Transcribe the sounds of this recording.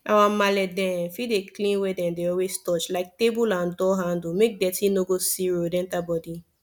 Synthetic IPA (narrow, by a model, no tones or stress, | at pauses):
awamalɛdɛ̃fideklĩnwedɛ̃deɔwestɔt͡ʃlaɪk̚tebulãndɔɦãndumek̚dɛtĩnoɡosiɹodɛ̃ntabɔdi